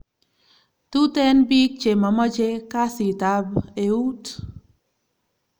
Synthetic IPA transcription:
tu˦tɛ˦nbi˦k̚t͡ʃe˨ma˨mə˦t͡ʃe˦ka˦si˨t̪a˦beu˦t

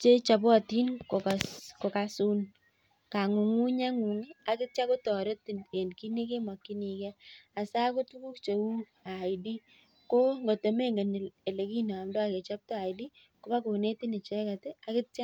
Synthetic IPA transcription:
t͡ʃe˦t͡ʃa˨bɔ˦a˨ti˦nko˨kasko˨ka˨˦su˦n | ka˨ŋu˨ŋu˦ɲa˦ŋu˨ŋi˦a˨kɪ˦t̚t͡ʃa˦kʊ˦tɔ˨ɾe˦tːi˨nke˨nki˦ni˦ke˦ma˨kːi˦ni˨kɛ˦a˨sa˦kʊ˦tu˦ku˦kt͡ʃe˨wu˦ | a˨ɪ˨di˦ | ko˦ŋɡo˨te˨me˦ŋɡe˨n˨e˨le˨ki˦nɔ˨a˨mdɔ˦a˨ke˨t͡ʃa˦p̚tɔ˦a˨jdi˦ | ko˦ba˦ko˨ne˦ti˦nɪ˨t͡ʃe˨˦ka˨te˦a˦kɪ˦tt͡ʃa˦

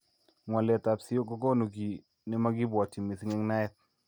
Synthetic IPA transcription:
ŋwa˨lɛ˨ta˨psɪ˦o˦ɡɔ˦ɡɔ˦no˨ɡi˨ | nɪ˦ma˦ɡɪ˦bwɔ˨ti˨me˨sŋɛ˦ŋna˦ɛ˦t̪̚

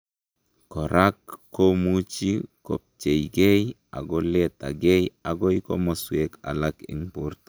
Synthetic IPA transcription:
ko˨ɾʔa˦kːo˦mu˦t͡ʃi˦ko̰˨p̚t͡ʃe˨jɡe˦j | a̰˨ɡo˦le˦ta˨ɡe˦ja˨ɡo˦jko̰˦mo˨swe˦ka̰˨la˦kḭ˨ŋpu˦ɾt

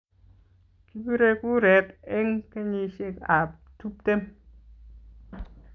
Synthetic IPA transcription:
ki˦bi˦ɾe˦ku˦ɾɛ˨tɛ˦ŋke˦ɲi˨ʃe˦ka˨p | tu˦p̚te˦m

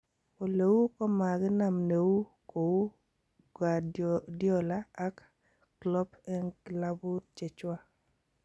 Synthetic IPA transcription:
o˨le˨wu˦kɔ˦ma˨ɡɪ˦na˨mne˨wu˦ | ko˨wu˦ | ɡa˨djɔ˦laː˦kː | lɔ˦pɛ˦nɡla˦bu˦t͡ʃe˨t͡ʃwa˦

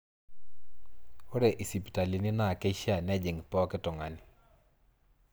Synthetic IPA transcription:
o˦ɾɛ˨ʔi˨si˨pta˨li˨nɪ˦na˨ke˦ʃa˨nɛ˦d͡ʒɪ˨ŋpɔ˦kɪ˦tɔ˨ŋa˨nɪ˨

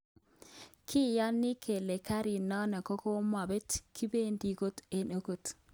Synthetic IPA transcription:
kʰɪ˦˨jɔ˦nːɪ˦kʰe˨le˨ka˦ɾi˨nɔ˦na˨ko˦ko˦ma˨be˦tki˦be˦ndi˨ko˦te˦no˦ko˨t

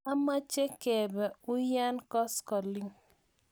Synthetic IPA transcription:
a˦ma˦t͡ʃe˦kɛ˨bɛ˨ʊ˦ja˦nkɔ˦skɔ˨lɪ˦ŋ

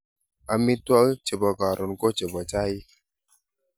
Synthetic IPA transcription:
a˨mi˦twa˦t͡ʃe˨bɔ˨ɡa˨ɾo˨nko˦t͡ʃe˨bɔ˨t͡ʃa˦i˦

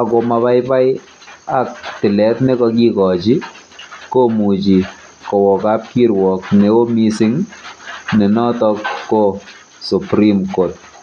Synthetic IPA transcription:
a˨ko˨ma˧βa˦jpa˦j | a˦k̚tɪ˨lɛ˨˦tnɛ˦kɔ˧k̬i˦kɔ˨t͡ʃi˦ | ko˦mu˨t͡ʃi˨ | kɔ˨wɔ˨ka˦p̚ki˦ɾwɔ˨kne˨o˦mi˦sɪ˦ŋ | nɛ˨nɔ˦tɔ˧kːo˦ | su˨pɾi˦mko˨t̚

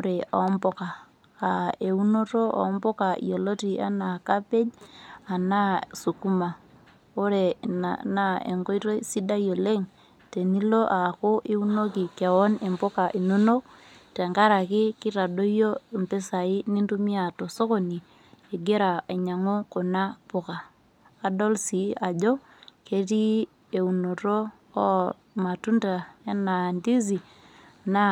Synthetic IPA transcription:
o˦ɾe˨a̰˨˦mbo˦kaː˨ | e˨u˦no˦to˦ʔa̰˨˦mbo˦ka̰˨jo˨lo˦ti˨a̰˦na˨ka˦pe˦ɲa˨na˦su˨ku˦ma˨ | o˦ɾe˨na̰˨na˦ḛ˨ŋɡo˦i˦to˦si˦da˦jo˨le˦ŋ | te˨ni˦lo˦ʔa˨ko˦ʔe˦u˦no˦ki˨ke˨wo˦ne˨mbo˦ka˨ʔi˨no˦no˦k̚ | te˨ŋɡa˦ɾa˨kɪ˦kɪ˦ɾa˨do˦jo˦˨mpe˦sa˨i˦ni˦ntu˦mi˦a˨to˨so˦ko˨ni˨ | e˨ɡe˦ɾa˨a˨ɲa˨ŋo˦ko˨na˦pʊ˨kaː˨ | dɔ˦lsi˨˦a˨d͡ʒo˦ | ke˨ti˦ | e˨u˨no˨ɾoː˦ | ma˨tu˦nda˨e˦na˨ndi˦z̬i˨ | na˦

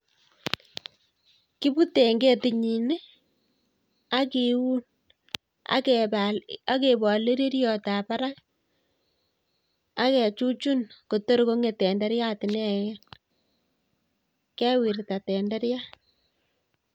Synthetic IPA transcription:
ki˦pu˦te˨ŋɡe˦ti˨ɲi˨ne˦ | a˦ki˨wu˦n | a̰k | a˦ke˨bɔ˨li˦ɾi˦ɾjɔ˨ta˨pa˦ɾa˦k | a˦kɛ˨t͡ʃu˦t͡ʃu˦nko˨to˦ɾko˦ŋe˨tɛ˨ndɛ˦ɾja˦˨tɪ˨nɛ˦ | kɛ˦wi˨ɾta˨tɛ˨ndɛ˦ɾja˦

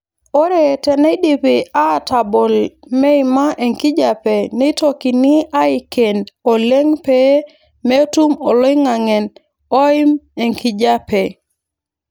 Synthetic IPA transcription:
o˦ɾe˨tɛ˨ne˦di˨pia˦˨ta˨bo˨lme˦i˨ma˦ʔe˨ŋki˦d͡ʒa˨pe˨ni˦to˦ki˨ni˦a˦i˦ke˨no˨le˦ŋpe | me˦tu˦mo˨lo˦i˦ŋa˨ŋɛ˨n | o˦ɪ˦me˨ŋki˨d͡ʒa˦pɛ˨

